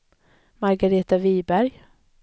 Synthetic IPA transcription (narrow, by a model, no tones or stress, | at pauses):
maɾɡaɾeːt̪aviːbæɾj